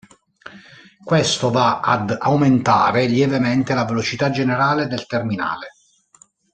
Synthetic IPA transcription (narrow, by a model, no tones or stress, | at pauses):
kwest̪ovaa̰d̪awment̪a̰ːɾeljɛvemɛnt̪elavelot͡ʃit̪ad͡ʒeneɾaːled̪elt̪ermina̰ːle